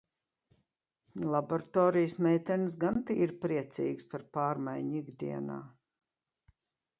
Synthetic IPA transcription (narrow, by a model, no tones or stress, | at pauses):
lˠaboɾat̪oːɾijsmɛjt̪ɛns̬ɡant̪iiɾpɾiɛt̪sḭːɡspaɾpaːɾmajɲiɡd̪ḭɛna̰ː